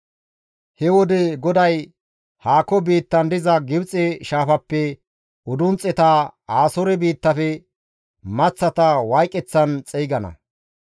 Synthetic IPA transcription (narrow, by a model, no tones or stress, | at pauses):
hɛwɔd̪ɛɡɔd̪ɐj | haːkːɔbiːt̪ːɐnd̪ɪzɐɡɪbt͡sʼɛʃaːfɐpːɛ | ɔd̪ʊnt͡sʼːɛt̪aaːsɔɾɛbiːt̪ːɐfɛ | mɐt͡sːɐt̪ɐwajkʼːɛt͡sːɐnt͡sʼɛjɡɐnɐ̰